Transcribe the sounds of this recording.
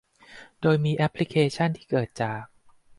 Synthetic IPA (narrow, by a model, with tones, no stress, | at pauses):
doː˧jmiː˧ʔɛ˦˥pʰli˦˥kʰeː˧t͡ɕʰa˥˩nt̪ʰiː˥˩kɤː˨˩t̪̚t͡ɕaː˨˩k̚